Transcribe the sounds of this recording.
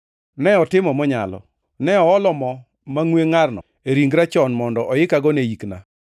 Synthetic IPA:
nɛɔtɪmɔmɔɲa̰lɔ̰ | nɛɔɔlɔmɔ | maŋweŋarnɔ̰ | eɾiŋɡɾat͡ʃɔnmɔndɔʔɔjɪkaɡɔnejikna̰

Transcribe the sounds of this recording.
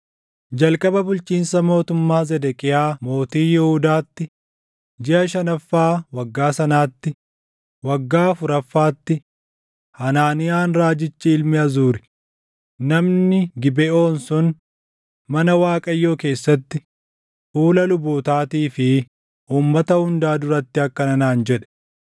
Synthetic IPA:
d͡ʒɐlkʼɐbɐbʊlt͡ʃiːnsɐmo̞ːt̪ʊmːaːzɛd̪ɛkʼɪjaːmo̞ːt̪iːjɛhʊd̪aːt̪ːɪ | d͡ʒɪʔɐʃɐnɐfːaːwɐɡːaːsɐnaːt̪ːɪ | wɐɡːaːfʊɾɐfːaːt̪ːɪ | hɐnaːnɪjaːnɾaːd͡ʒɪt͡ʃːɪɪlmɪʔɐzuːɾɛ | nɐmnɪɡɪbɛo̞ːnsʊn | mɐnɐwaːkʼɐjːo̞ːke̞ːsːɐt̪ːɪ | fuːlɐlʊboːt̪aːt̪iːfɪ | ʔuːmːɐt̪ɐhʊnd̪aːd̪ʊɾɐt̪ːɪɐkːɐnɐnaːnd͡ʒɛᶑɛ̥

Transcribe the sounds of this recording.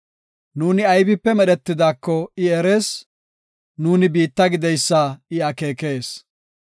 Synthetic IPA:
nuːnɪɐjbɪpːɛmɛɗɛt̪ːɪd̪aːkːɔɪɛɾe̞ːs | nuːnɪbiːt̪ːɐɡɪd̪ɛjsːaɪɐke̞ːke̞ːs

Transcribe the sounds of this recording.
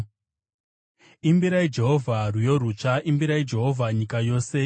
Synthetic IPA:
imbiɾaid͡ʒe̞ɦo̞vʱarujo̞ɾut͡ʂaʔimbiɾaid͡ʒe̞ɦo̞vʱaɲikajo̞ːse

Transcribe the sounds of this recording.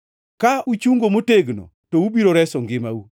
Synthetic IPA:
kaut͡ʃuŋɡomoteɡno̰ | toubiɾoɾɛsɔŋɡɪmau

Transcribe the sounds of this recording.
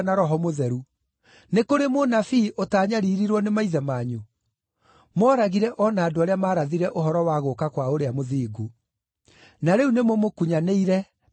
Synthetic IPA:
naɾɔɦɔmoðɛɾu | nekoɾemonafiʔotaːɲaɾiɾiɾwɔnemaiðɛmaːɲu | mɔɾaɣiɾɛʔɔnaːdoaɾeamaːɾaðiɾɛʔoɦɔɾɔwaɣokakwaoɾeamoðiːɡu | naɾeunemomokuɲaneiɾɛ

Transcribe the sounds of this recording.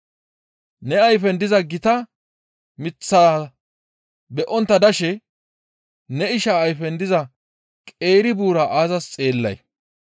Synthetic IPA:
nɛɐjfɛnd̪ɪzɐɡɪt̪ɐ | mɪt͡sːaː | bɛʔɔnt̪ːɐd̪ɐʃɛ | nɛɪʃaːjfɛnd̪ɪzɐ | kʼe̞ːɾɪbuːɾɐʔaːzɐst͡sʼeːlːɐ̰j

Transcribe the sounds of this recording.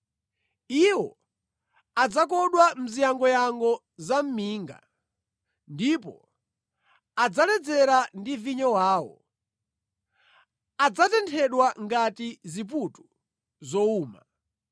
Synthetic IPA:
iwɔ | ad͡zakɔɗwam̩zijaŋɡɔjaŋɡɔ | zam̩miːŋɡa̰ | ndipɔ̰ | ad͡zalɛd͡zɛɾandiviɲɔwaːwɔ̰ | ad͡zatɛntʰɛɗwaŋɡatizip̬utu̥ | zɔuːma

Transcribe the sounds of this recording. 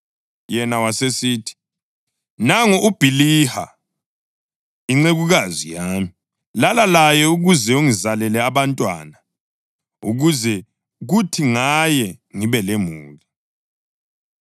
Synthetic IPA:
jɛnawasesiːtʰi̥ | naŋɔʔub̥ʱiliha̰ | iŋ͡ǀeɣuɣazijaːmi | lalalajɛuɣuzɛuŋizalɛlɛaβantʼwa̰na | uɣuzɛ | ɣutʰiŋajɛŋiβɛlemuːli

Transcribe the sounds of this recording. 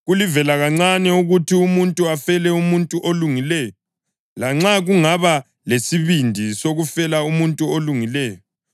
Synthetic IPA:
ɣulivɛlaɣaŋ͡ǀanɛuɣutʰiumuntʼuafɛlɛumuntʼuʔoluŋilɛːjɔ | laŋ͡ǁaɣuŋaβa | lesiβindʱisoɣufɛlaumuntʼuoluŋilɛːjɔ

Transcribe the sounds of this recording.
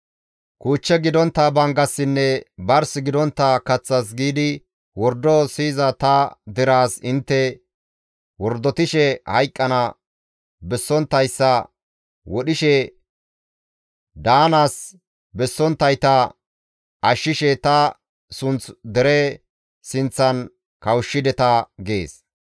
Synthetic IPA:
kuːt͡ʃːɛɡɪd̪ɔnt̪ːɐbɐŋɡɐsːɪnːɛbɐɾsɪɡɪd̪ɔnt̪ːɐkɐt͡sːɐs̬ɡiːd̪ɪ | wɔɾd̪ɔsiːzɐt̪ɐd̪ɪɾaːsɪnt̪ːɛ | wɔɾd̪ɔt̪ɪʃɛhɐjkʼːɐnɐ | bɛsːɔnt̪ːɐjsːɐ | wɔɗɪʃɛ | d̪aːnaːs | bɛsːɔnt̪ːɐjt̪ɐ | ɐʃːɪʃɛt̪ɐ | sʊnt͡sd̪ɛɾɛ | sɪnt͡sːɐn | kɐwʃːɪd̪ɛt̪ɐɡe̞̰ːs

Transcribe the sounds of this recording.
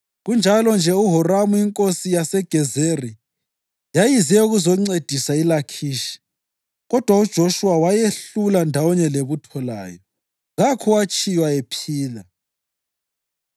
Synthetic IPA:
ɣund͡ʒʱalɔnd͡ʒʱɛuɦɔramuiŋkʼosijasɛɡ̥ʱɛzeri | jajizɛuɣuzɔŋ͡ǀed̥ʱisailakʰiʃi̥ | ɣɔd̥ʱwaud̥ʒ̥ʱoʃuwawajeɬulandʱawɔɲɛleβutʰɔla̰ːjɔ | ɣakʰɔwat͡ʃʼijwaepʰiːla

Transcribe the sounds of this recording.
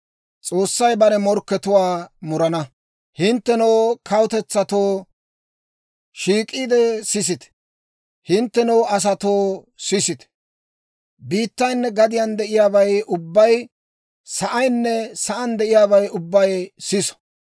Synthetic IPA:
t͡sʼo̞ːsːɐjbɐɾɛmɔɾkːɛt̪ʊwaːmʊɾɐnɐ | hɪnt̪ːɛnɔwkʰɐwt̪ɛt͡sːɐt̪oː | ʃiːkʼːiːd̪ɛsɪs̬ɪt̪ɛ̥ | hɪnt̪ːɛnɔwɐs̬ɐt̪oː | sɪsɪt̪ɛ̥ | biːt̪ːɐjnːɛɡɐd̪ɪjand̪ɛʔɪjaːbɐjʊbːɐj | sɐʔɐjnːɛsɐʔɐnd̪ɛʔɪjaːβɐjʊbːɐjsɪsɔ̥

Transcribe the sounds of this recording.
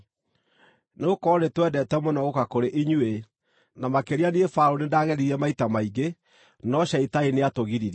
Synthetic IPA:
neokɔnetwɛdɛtɛmonɔɣokakoɾeʔiɲue | namakeɾianiefaɾonedaɣɛɾiɾɛmaitamaiɡe | nɔɕaitaineatoɣiɾiɾ

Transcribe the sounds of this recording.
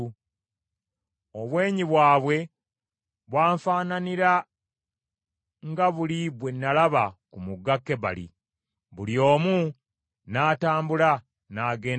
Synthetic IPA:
oβwe̞ːɲiβwaːβwe̞ | βwaːɱfaːnaniɾa | ŋɡaβuliβwenːalaβakumuɡːakːe̞βa̰lḭ | βuljo̞ːmu | naːtaːmbula | naːɡeː

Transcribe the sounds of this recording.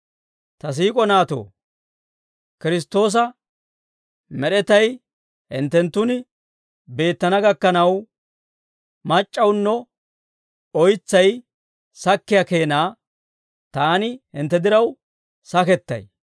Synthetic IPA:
t̪ɐs̬iːkʼɔnaːt̪o̰ː | kɪɾɪs̬t̪ːo̞ːs̬ɐ | mɛɗɛt̪ɐj | hɪ̰nt̪ːɛnt̪ːʊnɪ | be̞ːt̪ːɐnɐɡɐkːɐnɐw | mɐt͡ʃʼːɐwnːɔ | ɔjt͡sːɐj | sɐkːɪjake̞ːnaː | t̪aːnɪhɪnt̪ːɛd̪ɪɾɐw | sɐkɛt̪ːɐ̰j

